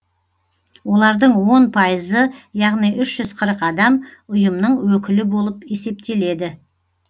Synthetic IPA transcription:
wo̞lˠɑɾd̪əɴwo̞npʰɑjəzəjɑʁnijʔʏʃʒ̥ʏz̥qʰəɾəqɑd̪ɑmʊjəmnəɴwɵkʲɪlɪbo̞lˠəpe̞se̞p̚t̪e̞le̞d̪ɪ

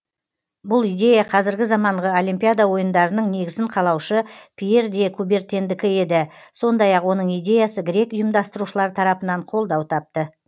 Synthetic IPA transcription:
bʊlˠijd̪e̞jaqʰɑzɪɾɡʲɪzɑmɑɴʁəo̞limpʲijad̪awo̞jənd̪ɑɾənəɴne̞ɡʲɪzɪɴqʰɑlˠɑwʃəpʲʰije̞ɾd̪ekʰube̞ɾt̪ʲe̞nd̪ɪkʲɪe̞d̪ɪso̞nd̪ɑjɑqwo̞nəɴijd̪e̞jasəɡʲɪɾe̞kʊjəmd̪ɑst̪əɾuʃəlˠɑɾt̪ʰɑɾɑpənɑɴqʰo̞lˠd̪ɑwt̪ʰɑp̚t̪ə

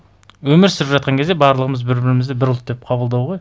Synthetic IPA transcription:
wɵmɪɾsɪɾɪpʒɑt̪̚qɑŋkʰʲe̞zd̪e̞bɑɾlˠəʁəməzbɪɾbɪɾɪmɪzd̪ɪbɪɾʊlˠt̪̚d̪e̞p̚qʰɑbəlˠd̪ɑwʁoj

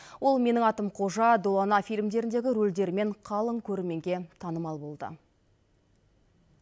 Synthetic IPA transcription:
wo̞lˠme̞nɪŋɑt̪əmqʰo̞ʒɑd̪olˠanɑfijlʲɪmd̪e̞ɾɪnd̪e̞ɡʲɪɾold̪e̞ɾme̞ɴqʰɑlˠəŋkʲʰɵɾme̞ŋɡʲe̞t̪ʰɑnəmɑlˠbo̞lˠd̪ə̰

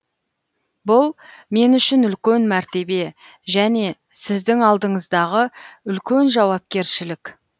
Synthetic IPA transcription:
bʊlˠme̞nʏʃɪnʏlkʲe̞nmæɾt̪e̞be̞ | ʒæne̞ | sɪzd̪ɪŋɑlˠd̪əɴəzd̪ɑʁəʏlkʲe̞nʒɑwɑp̚kʲe̞ɾʃɪlɪkʲ

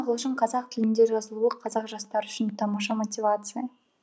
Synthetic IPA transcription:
qʰəlˠuʃɪɴqʰɑzɑq̚t̪ʲʰɪlɪnd̪e̞ʒɑzəlˠulˠəqʰːɑzɑqʒɑst̪ɑɾʏʃɪnt̪ʰɑmɑʃɑmotʲivat̪sɨjə

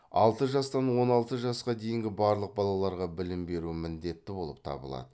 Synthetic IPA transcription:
ɑ̰lˠt̪əʒɑst̪ɑnwo̞nɑlˠt̪əʒɑsqɑd̪e̞jɪŋɡʲɪbɑɾlˠəq̚bɑlˠɑlˠɑɾʁɑbɪlɪmbe̞ɾuɪmɪnd̪e̞t̪ːɪbo̞lˠə̰p̚t̪ʰɑ̰bə̰lˠɑ̰d̪ə

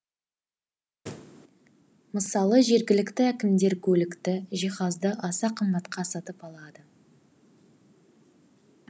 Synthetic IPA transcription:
məsɑlˠəʒe̞ɾɡʲɪlɪkt̪ɪækʲɪmd̪e̞ɾkʲʰɵlɪkt̪ɪʒiχɑzd̪əʔɑsɑqʰəmbɑt̪qʰɑsɑt̪əpɑlˠɑd̪ə

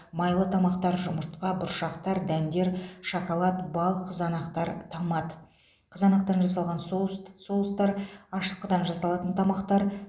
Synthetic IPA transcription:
mɑjlˠət̪ʰɑmɑqt̪ɑɾʒʊməɾt̪qɑbʊɾʃɑqt̪ɑɾd̪ænd̪e̞ɾʃɑkolˠɑt̪bɑlˠqʰəzɑnɑqt̪ɑɾt̪ʰɑmɑd̪ə | qʰəzɑnɑqt̪ɑɾnʒɑs̬ɑlˠʁɑnssolˠəst̪ɑɾɑʃəqːəd̪ɑnʒɑsɑlˠɑt̪ənt̪ʰɑmɑqt̪ɑɾ

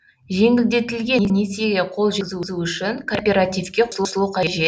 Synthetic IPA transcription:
ʒe̞ŋʲɪld̪e̞t̪ɪlɡʲeneseɡʲeqʰo̞lˠʒɪzuzuʏʃɪŋkʰo̞rpʲe̞ɾat̪ijfkʲe̞qʰʊslˠʊsəlˠuqʰɑʒe

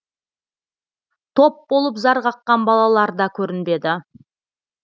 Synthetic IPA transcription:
t̪ʰo̞p̚bo̞lˠəpzɑɾʁɑqːɑnbɑlˠɑlˠɑɾd̪ɑkʲʰɵɾɪnbe̞d̪ɪ

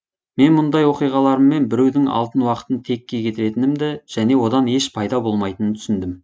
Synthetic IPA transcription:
me̞nmʊnd̪ɑjwo̞qijʁɑlˠɑɾəmːe̞nbɪɾe̞wd̪ɪŋɑ̰lˠt̪ənwɑqə̥t̪ənt̪ʰe̞kʲːe̞kʲʰe̞t̪ɪɾe̞t̪ɪnɪmd̪ɪʒ̥æne̞wo̞d̪ɑne̞ʃpʰɑjd̪ɑbo̞lˠmɑjt̪ənənt̪ʰʏsɪnd̪ɪm

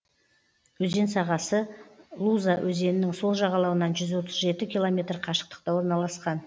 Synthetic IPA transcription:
wɵze̞nsɑʁɑsəlˠuzawʔɵze̞nɪnɪŋso̞lˠʒɑʁɑlˠɑwənɑnʒʏzwo̞t̪əzʒe̞t̪ɪkʲilˠo̞mʲe̞t̪rqʰɑʃə̥q̚t̪ə̥q̚t̪ɑwoɾnɑlˠɑsqɑn

